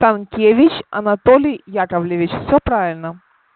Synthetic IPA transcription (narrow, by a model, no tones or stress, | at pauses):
t̪ankʲevʲɪt͡ɕɐ̰nɐt̪olʲɪjjakəvlʲɪvʲɪt͡ɕfsʲopɾavʲɪlʲnə